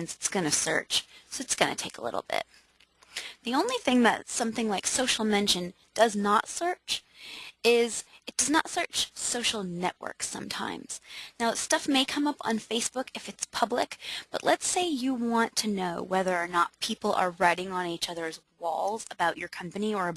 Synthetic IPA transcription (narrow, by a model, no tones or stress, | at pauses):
nsɨtsɡ̥ʌnɨsɜ̰˞t͡ʃsoʊɨtsɡ̥ʌnɨ̰tʰeɪkə̰lɪ̰ɾl̩ˠb̥ɪ̰t̚ | ðiõʊ̃nliθɪ̃ŋðɨ̰t̚sʌ̃mθɪ̃ŋlaɪksoʊʃl̩ˠmɛ̃nʃɨ̃n | d̥ʌznətsɜ˞t͡ʃ | ɪzɨt̚d̥ʌznə̰tsɜ˞t͡ʃsoʊʃl̩ˠnɛ̰ʔwɜ̰˞ksʌ̰̃mtʰã̰ɪ̃mz̥naʊstʌfmeɪkʰʌ̃mʌpn̩feɪsb̥ʊkɨfɨtspʰʌblɪ̰kb̥ʌ̰ʔˡlətseɪjɨwɑ̃ntʰɨnoʊwɛðə˞ːnət̚pʰipl̩ˠə̰˞ɹaɪɾɪ̃ŋə̃nit͡ʃʌðə˞zwɔ̰lˠzəbaʊt͡ʃə˞kʰʌ̃mpɨniə˞ɨ